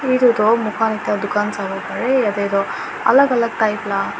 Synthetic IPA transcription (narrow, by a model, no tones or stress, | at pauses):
id̪ud̪omukʰaːnit̪jad̪ukaːnsaɡokɐɾeɐd̪ed̪o | ɐ̰lɐɡɐlɐɡ̚ʈɐjpla